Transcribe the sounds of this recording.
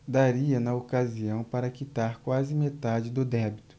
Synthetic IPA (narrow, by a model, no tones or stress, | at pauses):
d̪aɾiɐnɐokaziɐ̃w̃paɾɐkit̪aɾkwazɪmet̪ad͡ʒɪd̪ʊd̪ɛbit̪ʊ̥